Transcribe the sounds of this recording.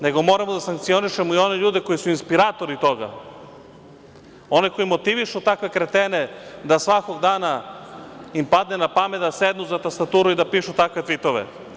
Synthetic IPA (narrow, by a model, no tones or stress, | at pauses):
ne̞ɡo̞mo̞ːɾamod̪asaŋkt̪sio̞niʃemoio̞ne̞ʎuːd̪eko̞jisuinspiɾaːt̪o̞ɾit̪o̞ɡa̰ | o̞neko̞jimo̞t̪iʋiʃut̪akʋe̞kɾet̪ene̞d̪asʋako̞ɡd̪aːna | impad̪ne̞napamed̪ased̪nuzat̪ast̪at̪uːɾuid̪apiʃut̪akʋe̞t̪ʋit̪o̞ʋḛ